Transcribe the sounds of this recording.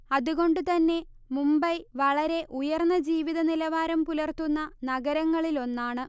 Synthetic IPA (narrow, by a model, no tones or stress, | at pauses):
ɐðuɣo̞ɳɖut̪ɐnːe̞ | mumbɐjʋɐɭɐɾe̞ʔujɐrnːɐd͡ʑiːʋiðɐnilɐʋaːɾɐmpulɐrt̪unːɐnɐɡɐɾɐŋːɐɭilo̞nːaːɳɨ